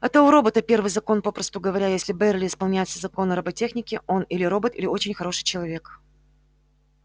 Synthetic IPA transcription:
ɛt̪əʊɾobət̪əpʲe̞rvɨjzɐko̞npo̞pɾəst̪ʊɡəvɐɾʲæjesʲlʲɪbɛrʲlʲɪɪspɐlˠnʲæjɪt̪səzɐko̞nɐɾəbɐtʲexnʲɪkʲɪʔo̞nilʲɪɾo̞bət̪ilʲɪo̞t͡ɕɪnʲxɐɾo̞ʂɨ̥jt͡ɕɪlˠɐvʲe̞k

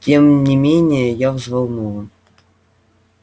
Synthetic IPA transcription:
tʲemnʲɪmʲenʲɪjəjavzvalˠmuə

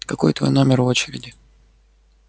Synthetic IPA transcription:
kɐko̞̰jt̪vojno̞mʲɪro̞t͡ɕɪɾʲɪdʲɪ

